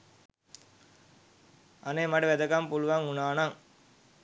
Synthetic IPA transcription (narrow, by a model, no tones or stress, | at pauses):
ɐneːmɐɖɐʋɛd̪ɐkɐmpuluʋaŋunaːnaŋ